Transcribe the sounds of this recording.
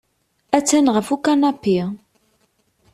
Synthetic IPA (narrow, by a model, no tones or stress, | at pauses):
æt͡sːænʁəfukanɑpːi